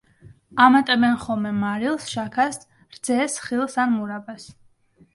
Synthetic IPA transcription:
amat̪ʼɛbɛnχɔmɛmaɾilˠsʃakʰas | ɾd̪z̥ɛsχilˠsanmuɾabas

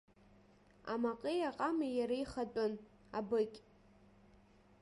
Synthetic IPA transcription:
a̰maqʼejaqʼamijaɾaiχatʼʊn | abɨkʲʼ

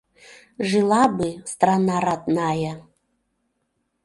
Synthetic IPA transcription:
ʐɨlˠabɨst̪ranaɾat̪ʼnaja

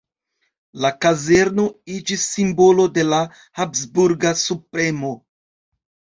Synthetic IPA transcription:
lakaze̞ɾno̞id͡ʒisːimbo̞lo̞de̞la | hapsbuɾɡasupɾe̞mo̞

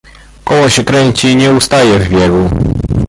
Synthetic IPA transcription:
kɔwɔɕɛkɾɛɲt͡ɕiɲɛust̪ajɛvbʲjɛɡu

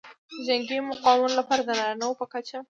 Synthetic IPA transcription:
ʒaŋɡemʊqɑmunlapɑɾad̪ənaɾnawpəkat͡ʃa

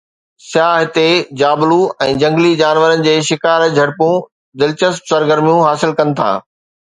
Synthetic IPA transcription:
sjaːɦɪt̪ed͡ʑaːbluɛ̃ːd͡ʑɐ̃ŋɡlid͡ʑaːnʋəɾənɪ̆d͡ʑeːʃɪkaːɾd͡ʑʱɐɽpũ | d̪ɪlt͡ɕəspsɐɾɡəɾmijũɦaːsɪlkɐnɪ̆t̪ʰa̰ː

